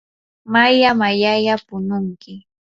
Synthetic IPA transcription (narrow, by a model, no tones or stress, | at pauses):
majamajajapʊnʊŋkɪ